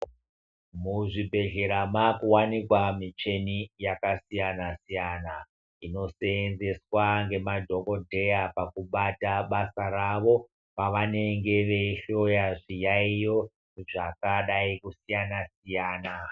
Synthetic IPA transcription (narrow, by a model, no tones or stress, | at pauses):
muʐibʱe̞ɮe̞ɾamakuwanikwamit͡ʃe̞nijakasijanasijaːna | ino̞seenze̞swaŋɡe̞madʱo̞ko̞dʱe̞japakuɓataɓasaɾaʋo̞ | paʋane̞ŋɡe̞ʋe̞iɬo̞jaʐijaijo̞ | ʐakaɗaikusijanasijaːna